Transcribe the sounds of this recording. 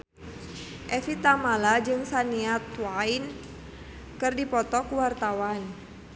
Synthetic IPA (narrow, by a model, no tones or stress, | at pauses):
ʔɛfit̪amalad͡ʒɨŋsaniat̪wain | kɨrdipɔt̪ɔkuwart̪awan